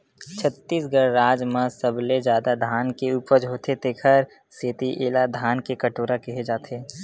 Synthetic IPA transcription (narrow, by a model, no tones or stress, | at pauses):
t͡ʃʰət̪ːiːsɡəɾːaːd͡ʒmãsəbled͡ʒjaːd̪ad̪ʱaːnkeuːpəd͡ʒɦoːt̪ʰet̪eːkʰəɾ | seːt̪iʔeːlad̪ʱaːnkekɐʈoːɾakɪɦed͡ʒaːt̪ʰeː